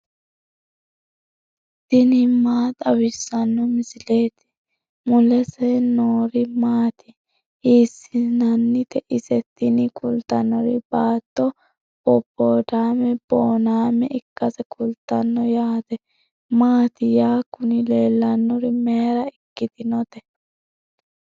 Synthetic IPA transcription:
d̪̥ɪnɪmaːt̪ʼɐwɪsːɐnːɔmɪsɪleːt̪ɪ̥ | mʊlɛsɛnoːɾɪmaːt̪ɪ̥ | iːsːɪnɐnːɪt̪ɛʔɪsɛt̪ːɪnɪkʼʊlt̪ːɐnːɔɾɪbaːt̪ːɔ | bɔpːoːd̪aːmɛb̥oːnaːmɛʔɪkːɐsɛkʼʊlt̪ːɐnːɔjaːt̪ɛ | maːt̪ɪjaːkʊnɪle̞ːlːɐnːɔɾɪmeːɾɐɪkːɪd̪ɪnɔt̪ɛ

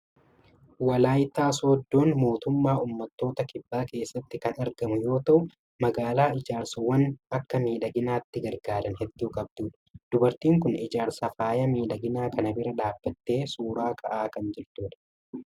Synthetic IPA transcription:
wɐlaːjt̪aːsod̪ːo̞ːnmo̞ːt̪ʊmːaːʔuːmːɐt̪ːo̞ːt̪ɐkɪbːaːke̞ːsːɐt̪ːɪkɐnɐɾɡɐmʊjo̞ːt̪ɐʔʊ | mɐɡaːlaːɪd͡ʒaːɾsɐwɐnɐkːɐmiːᶑɐɡɪnaːt̪ːɪɡɐɾɡaːd̪ɐnhɛd̪ːuːkʼɐb̚d̪̥uːᶑɐ̥d̪̥ʊbɐɾt̪iːŋkʊnɪd͡ʒaːɾsɐfaːjɐmiːᶑɐɡɪnaːkɐnɐbɪɾɐᶑaːbːɐt̪ːe̞ːsuːɾaːkʰɐʔaːkɐnd͡ʒɛɾt̪uːᶑɐ̥

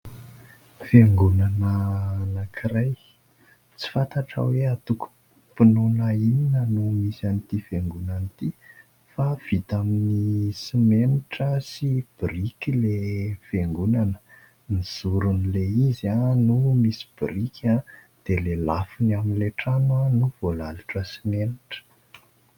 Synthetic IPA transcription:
feŋɡunanənakʰiɾaj | t͡si̥fant̪aʈ͡ʂa̰weat̪uku̥ | pinonaininənumisanit̪ifeŋɡunant̪i | fav̥it̪aminisimenuʈ͡ʂəsib̥ɾikilefeŋɡunanə̥ | miz̥uɾunileizanumisi̥b̥iɾikʰʲa | d̪̥elelafinaminleʈ͡ʂanwanuvolaluʈ͡ʂəsimeniʈ͡ʂə̥

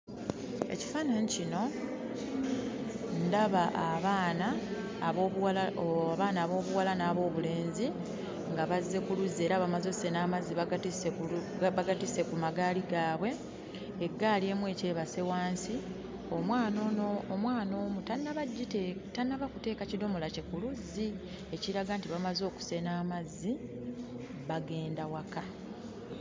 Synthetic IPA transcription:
e̞̰ci̥faːnanicino̞ | ndaβaʔaβaːnaː | βoβwalβaːnaːβo̞ːβuwalanaːβo̞ːβule̞ːnzi | ŋɡaβazːe̞kuluze̞ːɾaβamazo̞se̞naːmaziβatiseβaɡatise̞kumaɡaːliɡaːβwe̞ː | ɡːaːlie̞ːmwe̞ːce̞ːβase̞waːnsi | o̞mwaːno̞ːnoːmwaːno̞ːmutanːaβaɟːitetanːaβakute̞ːkacido̞mo̞lace̞kuluzːi | e̞ciɾaɡantiβamazo̞ːku̥se̞naːmazːi | βaɡe̞ːndawaka

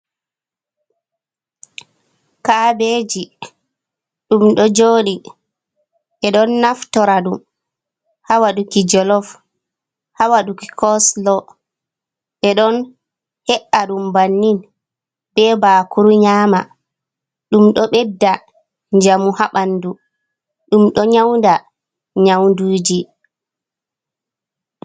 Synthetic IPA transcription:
kabeːd͡ʒi | ɗumɗɔd͡ʒoːɗi | ɓɛɗɔnːaftɔɾaɗum | hawaɗukid͡ʒɔlɔf | hawaɗuki̥kɔslɔ | ɓɛɗɔn | hɛʔaɗumbanːin | bɛbaːkʰuɾuɲaːma | ɗumɗɔɓɛdːa | ɲd͡ʒamuhaɓandu | ɗumɗɔɲawnda | ɲawnduːd͡ʒi

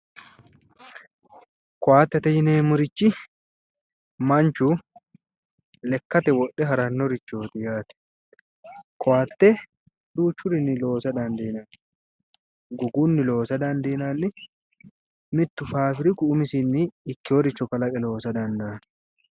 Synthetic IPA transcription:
kɔwaːt̪ːɛt̪ɐjɪneːmʊɾɪt͡ʃːɪ | mɐnt͡ʃʊ | lɛkːɐt̪ɛwɔɗːɛɦɐɾɐnːɔɾɪt͡ʃːo̞ːt̪ɪjaːt̪ɛ̥ | kɔwaːt̪ːɛ | d̪uːt͡ʃːʊɾɪnːɪlo̞ːsɐd̪ɐnd̪eːnɐn | ɡʊɡunːɪlo̞ːsɐd̪ɐnd̪eːnanːɪ | mɪt̪ːʊfaːfɪɾɪkʊːmɪsɪnːɪːkːɪɔɾɪt͡ʃːɔkɐlɐkʼɛlo̞ːsɐd̪ɐnd̪ɐɐn

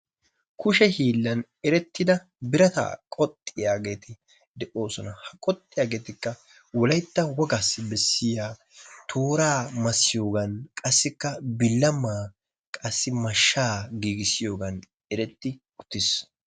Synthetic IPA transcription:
kʊʃɛhiːlːɐn | ɛɾɛt̪ːɪd̪ɐ | bɪɾɐt̪a̰ːkʼɔt̪ʼːɪjaːɡe̞ːt̪ɪ | d̪ɛʔo̞ːsɔnɐhɐkʼɔt̪ʼːɪjaːɡeːt̪ɪkːɐ | wɔlɐjt̪ːɐwɔɡasːɪbɛsːɪjaː | t̪ʰoːɾaːmɐsːɪjo̞ːɡɐnkʼɐsːɪkːɐbɪlːɐmːaː | kʼɐsːɪmɐʃːaːɡiːɡɪsɪjo̞ːɡɐn | ɛɾɛt̪ːɪ | ʊt̪ːɪs

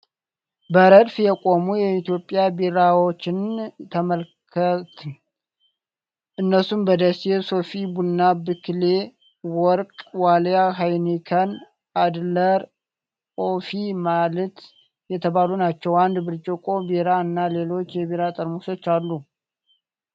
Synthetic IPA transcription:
bəɾəd̪fjɛkʼo̞mujɛit̪ijo̞pʼːjabeɾawot͡ʃːɪnt̪ʰəməlkʰət̪ʰ | ʔɨnːəsumbəd̪əseso̞fibunːabɨkle | wɔɾkʼwaljaɦajnikʰən | ad̪ləɾ | ofimalət̪ | jɛt̪ʰəβalunat͡ʃːɛwand̪bɨɾt͡ʃʼɪkʼo̞beɾaɨnːale̞lo̞t͡ʃːjɛβiɾat̪ʼəɾmuso̞t͡ʃːalːu

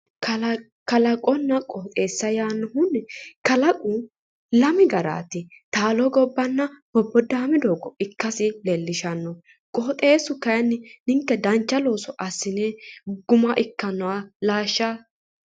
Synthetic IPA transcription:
kɐlɐkʼɔnːɐkʼɔːt̪ʼeːsːɐjaːnːɔhʊnkɐlɐkʼʊ | lɐmɪɡɐɾa̰ːt̪ɪ | t̪aːlɔɡɔbːɐnːɐbɔbːɔd̪aːmɪd̪oːɡɔɪkːɐsɪlɛlːɪʃɐnːɔ | kʼɔːt̪ʼe̞ːsʊkɐjnːɪnɪŋkːɛd̪ɐnt͡ʃːɐlo̞ːsɔʔɐsːɪneɡʊmɐʔɪkːɐnːɐwɐlaːʃːa

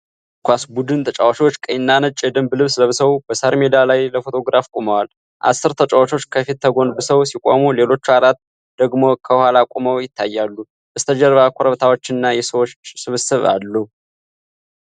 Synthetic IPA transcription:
kʰʷasbud̪ɨnt̪ʰət͡ʃʼawaʃiwot͡ʃːkʼəjnːanɨt͡ʃʼːjɛd̪ɨmblɨβsləβɨsəwb̥əsəɾme̞d̪alajləfo̞t̪ʰo̞ɡɾafkʷʼuməwal | ʔa̰sːɨɾt̪ʰət͡ʃʼəwat͡ʃʰo̞t͡ʃːkʰəfit̪ːəɡo̞nbɨsəwsikʷʼo̰mule̞lo̞t͡ʃːuaɾat̪ | d̪̥əɡmo̞kʰəhalakʼuməwjɪt̪ʰːajːalːu | ʔɨst̪ʰəd͡ʒəɾβakʷʰʼoɾəβt̪ʰawo̞t͡ʃːɨnːajɛsəwo̞t͡ʃːt͡ʃːsɨβɨsɨβa̰lːu

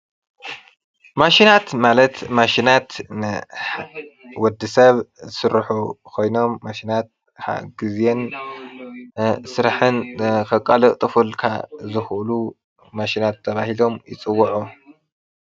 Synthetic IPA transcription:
maʃinat̪malɐt̪maʃinat̪nɨ | wɔd̪ːɨsɐβzɨsɨɾħukʰo̞jno̞mːaʃinat̪̚ | ħa̰ɡɨzjen | sɨɾaħɨnkʰɐkʼːɐlɨkʼt̪ʼɨfɨlkʰa̰zɨxʔlu | maʃinat̪ʰːɐβahilo̞mjɪt͡sʼɨwːɐʕu

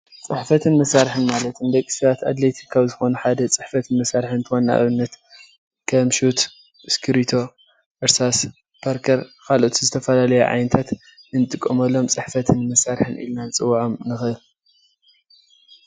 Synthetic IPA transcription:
t͡sʼɨħfɐt̪ʰɨnmɐsaɾħɨnmalɐt̪ɨnd̪ɐkʼːi̥sɐβat̪a̰d̪let̪ʰi̥kʰːaβzɨxo̞nuħad̪ɐt͡sʼɨħfɐt̪ʰɨnmɐsaɾħɨɨnt̪ʰɨxonːa̰ʔɨ̰βɨnːɐt̪ | kʰɐmʃut̪ | skʰɨɾit̪ʰo̞ | ʔɨɾsas | b̥aɾkʰɐɾkʰalʔot̪ʰizɨt̪ʰɐfɐlalɐjuʕa̰jnɐt̪ʰat̪ | ɨnt̪ʼɨkʼːɐmɐlːo̞mt͡sʼɨħfɐt̪ʰɨnmɐsaɾħɨnʔḭlnant͡sʼɨwːʕomnɨxɨɨl

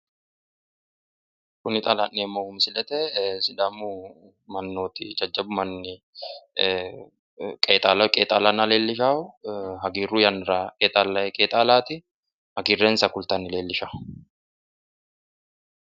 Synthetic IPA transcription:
kʊnɪt̪ʼɐlanːeːmːoːhʊmsɪlɛt̪ɛsɪd̪aːmu | mɐnːo̞ːt̪ɪd͡ʒɐd͡ʒːɐbʊmɐnːɪ | kʼeːt̪ʼalkʼeːt̪ʼaːlanɐleːlːɪʃaːʊɦɐɡiːrːuːjɐnɪɾaːkʼeːt̪ʼaːlːɐɛkʼeːt̪ʼaːlaːt̪ɪ | hɐɡiːrːeːnsɐkʊlt̪aːnːɪle̞ːlːɪʃaːʊ̥

